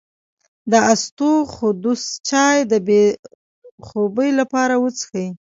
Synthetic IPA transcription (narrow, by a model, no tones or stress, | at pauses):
d̪əast̪oxʊd̪ust͡ʃɑjd̪əbe | xobəjlapɑɾawət͡sə̥xəji